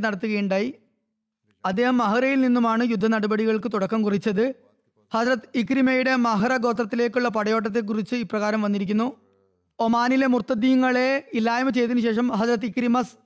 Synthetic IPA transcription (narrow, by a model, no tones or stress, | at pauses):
nɐɽɐt̪ːuɣɐjuɳɖaːji | ɐd̪ːe̞ːhɐmːɐɦɐɾɐjilninːumaːɳɨjud̪ʱːɐnɐɽɐbɐɽiɣɐɭkɨt̪uɽɐkːɐmkurit͡ɕːɐðɨ | hɐsɾɐt̪ːɨikɾimɐjuɽe̞mɐɦɐɾɐɡo̞ːt̪rɐt̪ːile̞ːkʲːuɭːɐpɐɽɐjo̞ːʈ̬ːɐt̪̬ːek̬ːurit͡ɕːɨiprɐɣaːɾɐmʋɐnːiɾik̬ʲːunːu | omaːnile̞murt̪ːɐd̪ijuŋːɐɭe̞ilːaːjɐmɨt͡ɕe̞jt̪̬inuɕe̞ːʂɐmhɐsɾɐt̪ːikɾimɐs